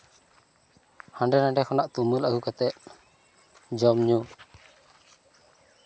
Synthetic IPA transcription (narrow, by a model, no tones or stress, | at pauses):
haɳɖɛnaɖɛkʰɔnaʔt̪uməlaɡukat̪ɛʔ̪̚ | d͡ʒɔmɲu